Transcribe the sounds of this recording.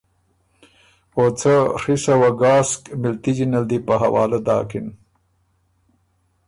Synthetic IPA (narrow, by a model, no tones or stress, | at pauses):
ot͡sʰarisɐwɐɡɑːskmilt̪id͡ʑinɐld̪ipɐɦɐwa̰ːlad̪ɑ̰ːkin